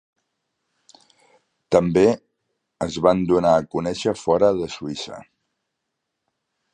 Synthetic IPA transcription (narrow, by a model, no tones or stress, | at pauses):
t̪əmbe | əzβand̪unaːkunɛʃəfɔɾəðəsuisə̰